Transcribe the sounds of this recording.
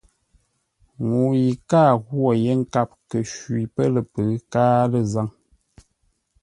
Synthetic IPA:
ŋu˨ji˨kaː˦˨ɣwo˦˨je˦ŋ̩˦ka˦p̚kə˨ʃɥi˨pə˦lə˨pə˨˦kaː˦lə˦˨za˦ŋ

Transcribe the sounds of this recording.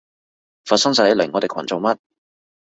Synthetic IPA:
fa˨tsɐ˥ŋsɐ˨˧hɐ˨˧jlɛ˨˩ŋɔː˨˧t̪e˨˩kʰɐ˨˩nt͡so˨wmɐ˦˥t̚

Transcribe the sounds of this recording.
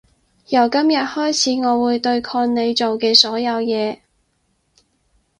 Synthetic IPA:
jɐ˨˩wkɐ˥mjɐ˨t̚hɔː˥jt͡sʰiː˨˥ŋɔː˨˧wuː˨˧jt̪ɵ˧ɥkʰɔː˧nne˨˧jt͡so˨wkɛː˧sɔː˨˥jɐ˨˧wjɛː˨˧

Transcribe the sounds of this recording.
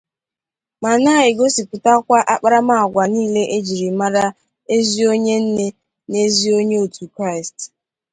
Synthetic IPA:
ma˨na˦ɪ˨ɡo˦si˨pʊ˨ta˦kʷa˦ʔa˦k͡pa˦ɾa˦ma˦˨ɡʷa˨niː˦le˦ʔe˦d͡ʒi˨ɾi˨ma˦ɾa˦ | e˦zi˦o˦ɲe˦n̩˦ne˦ | ne˦zi˦o˦ɲe˦o˨tʰu˨kɾa˦ɪ˨st

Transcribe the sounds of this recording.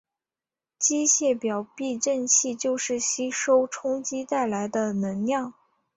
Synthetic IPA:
t͡ɕi˥ɕjɛ˥˩pjɑ˨˩ʊpi˥˧ʈ͡ʂə˥˧nt͡ɕʰi˥˧t͡ɕjo˥˧ʊʂɻ̩˥˩ɕi˥ʂo˥ʊʈ͡ʂʰʊ˥ŋt͡ɕi˥t̪a˥˩ɪla˧˥ɪd̪ə˧nə˧˥nnjɑ˥˩ŋ

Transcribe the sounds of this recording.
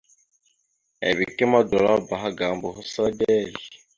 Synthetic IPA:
ḛ˨βi˨kʼi˦ma˦dɔ˨lɔ˦ba˨ɦa˦ɡa˨mbɔ˨ɦu˦sa˦dɛ˦li

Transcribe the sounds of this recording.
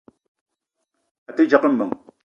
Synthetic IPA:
a˨t̪e˦t͡ʃa˨qə˦mːə˨ŋ

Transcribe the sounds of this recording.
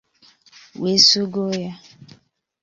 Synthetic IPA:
we˨˦su˦ɡo˦ja˦

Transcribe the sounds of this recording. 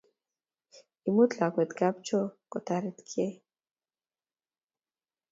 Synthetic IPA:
imu˦t̪a˨kʷɛ˨t̪ɡa˦p̚t͡ʃʰo˦kɔ˨t̪aɾit̪kʰe˦

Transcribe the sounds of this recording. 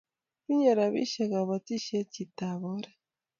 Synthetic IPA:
βi˦ɲa˨ɾa˨βḭ˦ʃe˨ɡa˨βa˨ti˦ʃe˦ci˨taβoɾe

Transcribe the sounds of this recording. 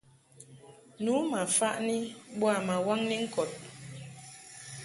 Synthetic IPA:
nu˨˦ma˨fa˦ʔni˦ɓwa˦˨ma˨wa˦ŋni˦ŋ̩˦kɔ˨t̚

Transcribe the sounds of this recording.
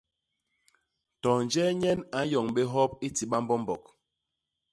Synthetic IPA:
tɔ˨n˨d͡ʒɛ˦ɲɛ˦na˨˦jɔ˨ŋɓe˦ɦɔ˦p̚i˦ti˨ɓa˦mbɔ˦mbɔ˨k̚

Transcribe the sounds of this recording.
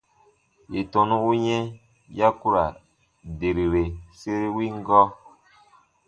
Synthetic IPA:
je˨tõ˨nũ˦u˦ɲɛ̃˦ | ja˦ku˦ɾa˨ | de˨ɾi˨ɾe˨se˦ɾe˦wi˦ŋ˦ɡɔ˦

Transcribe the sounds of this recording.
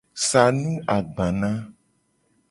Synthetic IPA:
sa˨nũ˦a˨ɡ͡bã˨nã˦

